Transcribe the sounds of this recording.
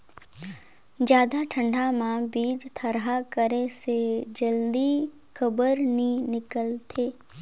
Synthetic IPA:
d͡ʒjaːd̪aʈʰə̃ɳɖʱamãbiːd͡ʒt̪ʰəɾɦakəɾesed͡ʒəld̪i | kəbəɾnĩnɪkəlt̪ʰeː

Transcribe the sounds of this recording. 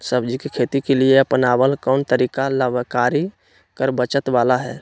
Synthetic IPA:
səbd͡ʒikekʰeːt̪ikelieəpənaːwəlkɔːnt̪əɾiːkaləbkaːɾi | kəɾbət͡ʃət̪ʋaːlaɦɛ̰ː

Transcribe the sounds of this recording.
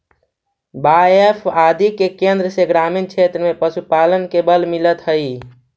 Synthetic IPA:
bajepʰad̪ikekend̪ɾəseɡɾaminkt͡ʃʰet̪ɾəmepəsupalənkebəlmilət̪ɦəi

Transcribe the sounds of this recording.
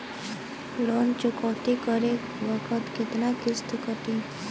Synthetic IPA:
lɔnt͡ʃʊkəwt̪ikəɾek | ʋəkʰət̪kʰet̪nakɪst̪kəʈ̪ĩ

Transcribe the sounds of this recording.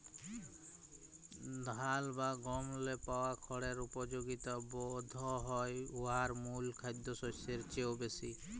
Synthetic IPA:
d̪ʱalbaɡɔmlepawakʰɔɽeɾupɔd͡ʒoɡit̪ɔbɔd̪ʱɔɦɔjuɦaɾmulkʰajd̪ɔsɔseɾt͡ʃewbesi

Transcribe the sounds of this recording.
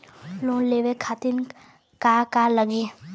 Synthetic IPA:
lõleːʋekʰat̪in | kakaləɡi

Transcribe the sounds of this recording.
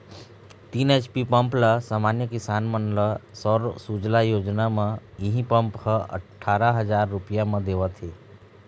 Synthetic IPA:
t̪inet͡ʃpipəmpləsaːmaːnjəkɪsaːnmənləsɔɾsud͡ʒlajoːd͡ʒnamə̃iɦĩpəmphəə̰ʈʰːaːɾəɦəd͡ʒaːɾːupijamə̃d̪eːʋət̪ʰeː

